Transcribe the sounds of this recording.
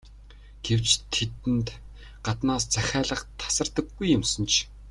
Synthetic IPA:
ɡ̥ewt͡ɕt̪ʰːet̪ɘ̆nt̪ | ɢ̥at̪naːst͡sæxʲæːɮə̆χt̪ʰḁsə̆rt̪ə̆ɡːujːʊ̆msə̆nt͡ɕʰ

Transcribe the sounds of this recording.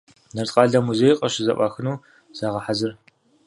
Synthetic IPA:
nɐrtʼqʼɑːɮɐmuzeːjqʼɐɕɪzɐ̰ʔʷʼɑːxɨnuː | z̥aːʁɐħazɨr

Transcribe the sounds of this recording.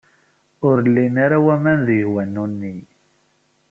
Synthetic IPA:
ʊɾlːinaɾawæmænðiwænːunːi

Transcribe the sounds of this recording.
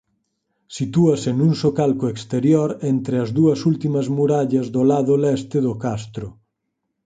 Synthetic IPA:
sit̪uɐsenuŋsokalkoekst̪eɾjoɾɛnt̪ɾeɐzðuɐsult̪imɐzmuɾaʎɐzðolaðʊlɛst̪ɪðʊkast̪ɾʊ

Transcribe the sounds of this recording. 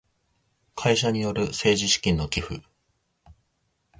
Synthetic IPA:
kʰaiɕaɲ̟ijo̞ɾɯ̟se̞ːʑiɕi̥kʲĩnːo̞kʲiɸɯ̰

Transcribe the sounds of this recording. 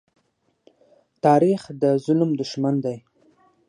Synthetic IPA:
t̪ɑɾixd̪əzʊlmd̪ʊʃmand̪aj

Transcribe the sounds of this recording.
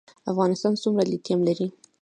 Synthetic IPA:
afɣɑnɪst̪ɑnsumɾalit̪jamlaɾi

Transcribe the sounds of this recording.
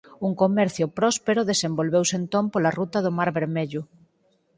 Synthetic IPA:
uŋkomɛɾθjʊpɾɔspeɾʊðesembolβewsent̪õmpolarut̪ɐðʊmaɾβeɾmeʎʊ

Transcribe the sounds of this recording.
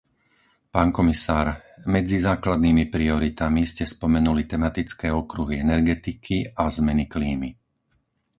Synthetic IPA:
paːŋkɔmisaːɾmɛd͡zizaːklad̪niːmipɾiɔɾit̪amiscɛspɔmɛnulit̪ɛmat̪it͡skɛːɔkɾuɦiɛnɛɾɡɛt̪ikʰiʔazmɛnikliːmi

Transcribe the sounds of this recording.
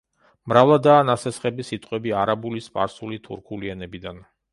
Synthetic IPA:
mɾavlˠad̪aːnasɛsχɛbisit̪ʼqʼwɛbiaɾabulispʼa̰ɾsulit̪ʰuɾkʰuliɛnɛbid̪an

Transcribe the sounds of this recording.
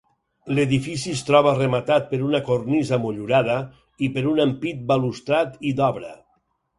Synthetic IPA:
leðifisist̪ɾɔβəremat̪at̪̚pəɾunakornizamoʎuɾaðə | ipeɾunampit̪̚balust̪ɾat̪id̪ɔβɾə

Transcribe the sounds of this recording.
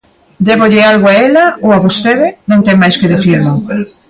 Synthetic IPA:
d̪eβoʎɪalɣoaelaowaβost̪eðɪnõŋt̪eŋmajskeðeθiɾnoŋ

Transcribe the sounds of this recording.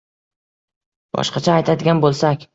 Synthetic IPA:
bɒ̰ʃqɑt͡ʃʰaːjt̪ʰad̪ɪɡʲanbolˠsakʲ

